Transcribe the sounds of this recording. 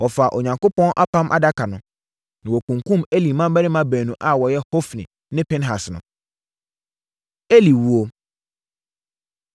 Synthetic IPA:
wɔ˨fa˨ʔo˨ɲã˨ŋko˦pɔ̃˦nʔa˦pʰã˦mʔa̰˨da˦kʰa˨nʊ̃˨ | nã˨wɔ˨kũ˨ŋkʰũ˦me˦li˨mã˦m˦bɛ˦ɾɪ̃˦mã˦bæː˨nũ˨ʔa˦wɔ˨jɛ˦ho˦fnɪ̰̃˨ | nɪ̃˦pʰɪ̃˦nɦa˨snʊ̰̃˨ | e˦li˨wu˦o˦

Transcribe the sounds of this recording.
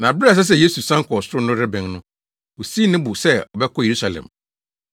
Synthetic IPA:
nã˨bɪ˦a˨s̬ɛ˦s̬ɛ˦˨je˦su˨sã˦ŋ̩˦kɔ˨sʊ˦ɾʊ˦nʊ̃˦ɾɪ˦bɛ̃˨ŋnʊ̃˦ | o˨si˦nɪ̃˦bʊ˨sɛ˦ɔ˨bɛ˦kʰɔ˦˨je˨ɾu˦sa˨lɛ̰̃˨m

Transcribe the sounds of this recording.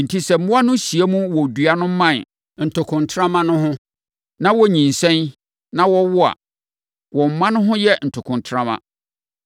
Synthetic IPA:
n̩˨tʰi˦sɛ˨m̩˦mʊ̃˦a˦nʊ̃˦ɕi˨e˦mũ˦wɔ˨dɥa˦nʊ̃˦m̩˦mã˦˨n | n̩˨tʰʊ˨kʰʊ̃˨ntʰɾã˦mã˦nʊ̃˦ɦʊ̃˦ | nã˦wɔ˦ɲĩ˨n˨sɛ̃˦n | nã˦wɔ˦wʊ˦a̰˨ | wɔ̃˨m̩˨mã˦nʊ̃˦ɦʊ̃˦jɛ˦n̩˨tʰʊ˨kʰʊ̃˨ntʰɾã˦mã̰˨

